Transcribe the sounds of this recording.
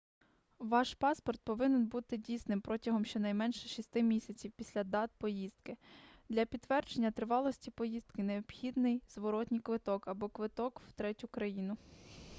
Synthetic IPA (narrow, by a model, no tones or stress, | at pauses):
ʋɑʃpɑspɔrt̪̚pɔʋɪnɛnbut̪ɪdʲijsnɪmpɾɔtʲɐɦɔmʃt͡ʃɛnɐjmɛnʃɛʃist̪ɪmʲisʲɐt͡sʲiwpʲisʲlʲɐd̪ɑt̪̚pɔjizd̪kɪd̪lʲɐpʲid̪ːʋɛrd͡ʒenʲːɐt̪ɾɪʋɑlˠɔsʲtʲipɔjizd̪kɪneɔb̥xʲid̪nɪjzʋɔɾɔtʲnʲijkʋɪt̪ɔkɐbɔkʋɪt̪ɔkwt̪ɾɛtʲʊkɾɐjinʊ